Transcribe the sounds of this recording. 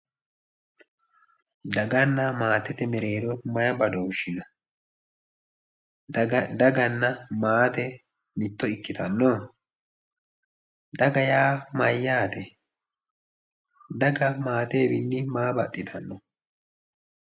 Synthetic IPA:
d̪ɐɡɐnːamaːt̪ɛt̪ɛmɛɾe̞ːd̪ɔmɐjɐbɐd̪oːʃɪnɐ | d̪ɐɡɐnːɐmaːt̪ɛ | mɪt̪ːɔɪkːɪt̪ɐnːɔ | d̪ɐɡɐjaːmɐjːaːt̪ɛ | d̪ɐɡɐmaːt̪e̞ːbɪnːɪmaːbɐt̪ʼːɪt̪ʰɐnːɔ

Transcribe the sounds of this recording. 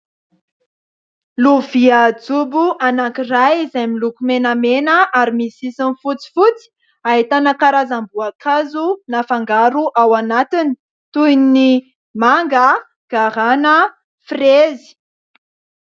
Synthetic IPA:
luviad͡zubuʔanakirajizajmilukumenamenəʔaɾimisisinfut͡si̥fut͡si̥ | ait̪anəkaɾazambuakʰazunafaŋɡaɾuʔawanat̪ini̥ | t̪ujni | maŋɡə | ɡ̥aɾanə | frezi̥

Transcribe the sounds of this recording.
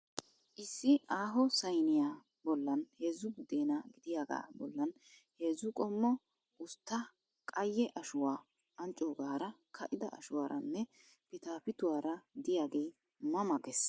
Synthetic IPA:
ʔɪsːɪaːɦɔsɐjnɪjaː | bɔlːɐnheːzʊɡʊd̪e̞ːnɐɡɪd̪ɪjaːɡa̰ːbɔ̰lːɐn | he̞ːzːʊkʼɔmːɔ | ʔʊst̪ːɐ | kʼɐjːɛʔɐʃʊwaː | ʔɐnt͡ʃʼːoːɡaːɾɐkʰɐʔɪd̪ɐ̰ʔɐ̰ʃʊwaːɾɐnːɛ | pɪt̪aːpɪt̪ʊwaːɾɐd̪ɪjaːɡeː | mɐmɐɡɛs

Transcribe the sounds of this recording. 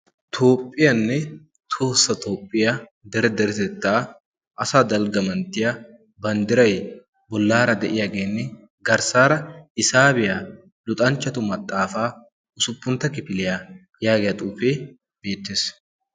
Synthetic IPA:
t̪ʰo̞ːpʼːɪjɐnːɛ | t̪ʰoːsːɐt̪o̞ːpʼːɪjad̪ɛɾɛd̪ɛɾɛt̪ɛt̪ːaː | ʔɐsaːd̪ɐlɡɐmɐnt̪ɪjɐ | bɐnd̪ɪɾɐj | bɔlːaːɾɐd̪ɛʔɪjɐɡeːnːɛ | ɡɐɾsaːɾɐɪsaːbɪjaː | lʊt̪ʼɐnt͡ʃːɐt̪ʊmɐt̪ʼːaːfaː | ʔʊsʊpʼːʊnt̪ɐkɪpɪlɪja | jaːɡɛjɐt̪ʼuːfeː | b̥e̞ːt̪ːɪs

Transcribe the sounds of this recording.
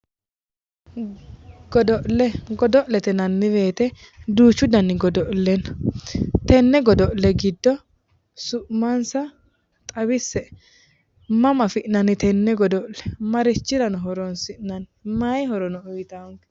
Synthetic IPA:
ɡ̥ɔd̪ɔʔlɛɡɔd̪ɔʔlɛt̪ɛnɐnːɪbeːt̪ɛ | d̪uːt͡ʃːʊd̪ɐnːɪɡɔd̪ɔʔlːɛnɐt̪ɛnːɛɡɔd̪ɔʔlɛɡɪd̪ːɔ | sʊʔmɐnsɐ | t̪ʼɐbɪsːɛ | mɐmɐfɪʔnɐnɪt̪ɛnːɛɡɔd̪ɔʔlɛmɐɾɪt͡ʃːɪɾɐnɔɦɔɾɔnsɪʔnɐnmɐjɦɔɾɔnɔʊjɪt̪ɐŋkɛ̥

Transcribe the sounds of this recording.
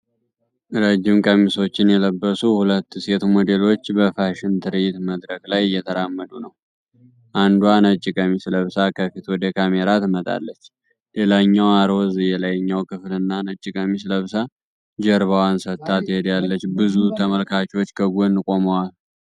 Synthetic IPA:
ɾəd͡ʒːɪmkʼəmiso̞t͡ʃːɪnjɛləbːəsuhulət̪ːse̞t̪mo̞d̪e̞lo̞t͡ʃːbəfaʃɪnt̪ʰɨɾɨjɪt̪məd̪ɾəkʼlajɨjːɛt̪ʰəɾamːəd̪unəw | ʔand̪uanət͡ʃʼːɪkʼəmisləβsakʰəfit̪ʰwɔd̪əkʰameɾat̪mət̪ʼa̰lːət͡ʃː | le̞laɲːawaɾo̞zɨjɛlajɲːawkʰɨflɨnːanət͡ʃʼːɪkʼəmisləβsa | d͡ʒəɾβawansət̪ːat̪hed̪jalːət͡ʃːbɨzut̪ʰəməlkʰat͡ʃwot͡ʃːkʰəɡonːɨkʼo̞məwal

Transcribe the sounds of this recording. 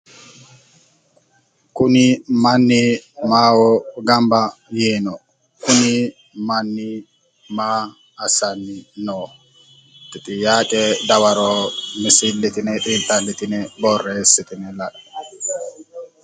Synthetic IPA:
kunimanːimawɔɡambajɛːnɔ | kuni | manːi | maː | sanːinɔ | titʼijaːkʼɛdawaɾɔmisilːit̪inɛɗintalːitinɛbɔrːɛsitʼinɛlaɗa

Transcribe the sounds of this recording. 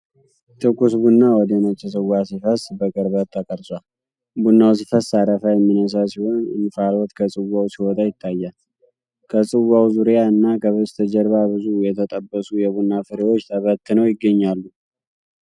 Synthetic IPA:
t̪ʰɨkːusbunːawɔd̪əmət͡ʃːɛs̬ɨwasifəsbəɡʼəɾbət̪ʰːakʼəɾsʼwal | bunːaws̬ifəsaɾəfəjɛmːinəs̬asiho̞nɨ̰nfalɔt̪kʰəsʼɨwawsiwɔt̪ʼajɪt̪ʰːajːa | kʰəsʼɨwawzuɾjaɨnːakʰəβɨst̪ʰəd͡ʒɛɾβabɨzujɛt̪ʰət̪ʼəbːəsujɛβunːafɨɾewo̞t͡ʃːt̪ʰəβət̪ːɨnəwjɪɡːəɲːalːu

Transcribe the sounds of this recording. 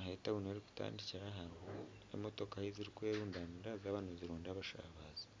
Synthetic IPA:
hetaβuneɾiku̥ta̰ːndiciɾaɦaɾho | ḛmotokaheziɾikueɾuːndaniɾazaːβaːnuziɾoːndaβaʃa̰ːβaːzḁ

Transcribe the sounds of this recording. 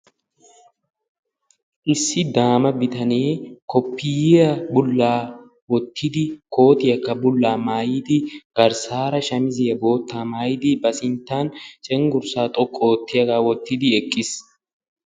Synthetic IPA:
ʔɪsːɪd̪aːmɐbɪt̪ɐneːkɔpːiːjɐbʊlːaː | wɔt̪ːɪd̪ɪkʰo̞ːt̪ɪjɐkːɐbʊlːaːmaːjɪd̪ɪɡ̥ɐɾsaːɾɐʃɐmɪzejɐbo̞ːt̪ːaːmaːjɪd̪ɪbɐsɪnt̪ːaːnt͡ʃʼɛŋɡʊɾsaːt̪ʼɔkʼːoːt̪ːɪjɐkaːwɔt̪ːɪd̪ɪɛkʼːɪs

